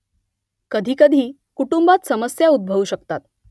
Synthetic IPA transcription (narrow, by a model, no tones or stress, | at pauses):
kəd̪ʱiːkəd̪ʱiː | kuʈumbat̪səməsjaud̪̚bʱəʋuɕəkt̪at̪̚